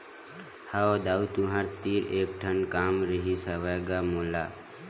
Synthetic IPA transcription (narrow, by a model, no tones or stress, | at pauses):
haod̪aːut̪uɦaɾt̪iːɾeːk̚ʈʰənkaːmɾəɦisəʋajɡamoːlaː